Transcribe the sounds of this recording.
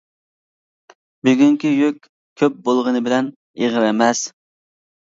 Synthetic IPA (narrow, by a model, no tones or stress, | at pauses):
byɡʲyŋkʲijøkʲ | kʲʰøp̚bolˠʁənɨbɪlɛn | eʁɨɾɛmɛs